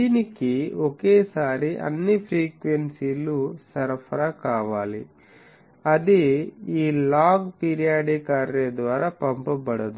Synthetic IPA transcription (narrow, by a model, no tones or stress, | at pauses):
d̪iːnikiokeːsaːɾiʔɐ̰nːipʰɾiːkʋensilusɐɾpʰɐɾɐkaːʋaːli | ɐd̪iiːlaːɡpiːɾijaːɖikaːɾːeːd̪ʋaːɾaːpɐmpɐbɐɽɐd̪u